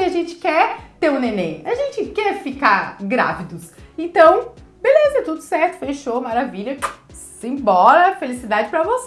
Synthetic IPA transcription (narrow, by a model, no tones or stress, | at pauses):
ɪaʒẽnt͡ʃɪ̥kɛɾt̪eɾũnenẽjaʒẽnt͡ʃɪkɛɾfikaɾɡɾa̰vid̪ʊsẽnt̪ɐ̃w̃belezɐt̪ud̪ʊsɛɾt̪ʊfeʃomaɾaviʎɐsẽj̃bɔɾɐfelisid̪ad͡ʒɪpɾɐvos